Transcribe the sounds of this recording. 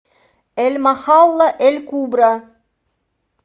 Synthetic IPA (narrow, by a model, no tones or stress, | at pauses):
elʲmɑχɑlˠːɤʔelʲkubɾɑ